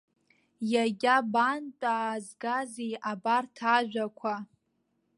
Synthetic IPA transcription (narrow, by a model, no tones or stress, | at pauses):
jaɡʲabant͡pʷʼaːzɡazejabartʰaʒᶣʷakʷʰa